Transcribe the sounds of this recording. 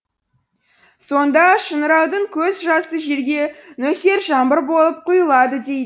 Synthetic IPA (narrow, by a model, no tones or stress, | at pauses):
so̞nd̪ɑʃənəɾɑwd̪əɴkʲʰɵzʒɑsəʒe̞ɾɡʲe̞nɵse̞ɾʒɑmbəɾbo̞lˠəp̚qʰʊjəlˠɑd̪əd̪e̞j̪